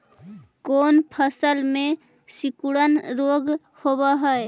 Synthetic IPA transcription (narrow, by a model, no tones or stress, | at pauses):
koːnpʰəsəlmẽ | sikuɽənɾoɡ | hobəɦəe